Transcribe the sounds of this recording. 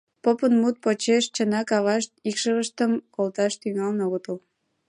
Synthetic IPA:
popənmut̪̚pot͡ɕeʃt͡ɕənɑkɑβɑʃt̪̚ikʃəβəʃt̪əmkolt̪ɑʃt̪yŋɑlnoot̪əl

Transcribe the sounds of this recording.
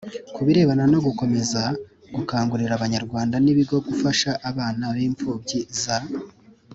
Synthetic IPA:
kuβiɾe̞ːβanano̞ɡuko̞me̞za | ɡ̥ukaːŋɡuɾiɾaβaɲaɾɡwaːndaniβiɡo̞ɡufaʃaʔːβaːnaβiːɱfuːbɟiza

